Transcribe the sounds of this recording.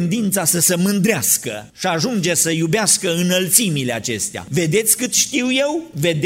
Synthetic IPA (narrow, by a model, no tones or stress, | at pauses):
nd̪int̪sasəsemɨnd̪ɾeaskə̰ʃiaʒund͡ʒe̞səjubeaskəɨnəlt̪simile̞at͡ʃe̞̰st̪ea̰ve̞d̪e̞t̪sʲkɨt̪ʃt̪iwje̞wve̞d̪